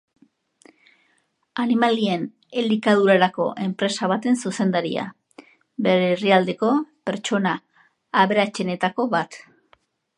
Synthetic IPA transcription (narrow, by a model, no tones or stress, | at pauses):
animalie̞n | elikað̞uɾaɾako̞̰ʔe̞mpɾe̞saβ̞at̪e̞nsuse̞nd̪aɾia̰ | be̞ɾeriald̪e̞ko̞pe̞ɾt͡ʃo̞naː | βe̞ɾat͡ʃe̞ne̞t̪ako̞βat̪